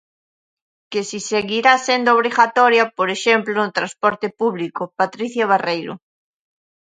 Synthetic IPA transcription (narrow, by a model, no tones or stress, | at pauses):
kesiseɣiɾasend̪ooβɾiɣat̪ɔɾjɐpoɾeʃemplonʊt̪ɾãspɔɾt̪ɪpuβlikopat̪ɾiθjaβ̞arejɾʊ̰